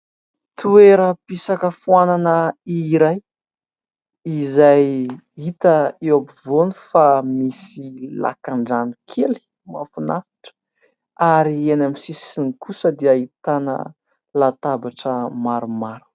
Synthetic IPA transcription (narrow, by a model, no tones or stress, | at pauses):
t̪ʰueɾəpisakəfuananəiɾaj | izaj | it̪əewapivonifamisila̰kaɳɖ͡ʐanukʰeli̥ | mafunaḁʈ͡ʂə̥ | aɾienamisisinikʰusəd̪iait̪anə̰ | lat̪abaʈ͡ʂəmaɾumaɾu̥